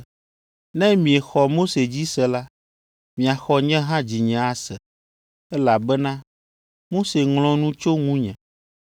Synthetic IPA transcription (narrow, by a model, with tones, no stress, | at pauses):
nɛ̃˦mĩ˨ɛ˨xɔ˨mo˦se˨d͡ʑi˦sɛ˨la˦ | mĩ˨a˨xɔ˨ɲɛ̃˦ɦã˦d͡ʑi˨ɲɛ̃˨˦a˦sɛ˨ | ɛ˦la˨bɛ˦nã˦ | mo˦se˨ŋlɔ̃˦nũ˦t͡ʃo˦ŋũ˦ɲɛ̃˨